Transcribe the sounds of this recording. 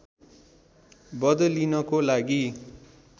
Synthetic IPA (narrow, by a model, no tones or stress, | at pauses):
bʌd̪ʌlinʌkolaɡi